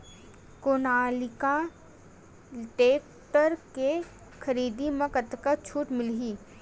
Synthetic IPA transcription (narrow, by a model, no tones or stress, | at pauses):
kʊnaːlɪka | ʈeːk̚ | ʈəɾke | kʰəɾiːd̪imɐ̃kət̪kat͡ʃʰuːʈmɪlɦiː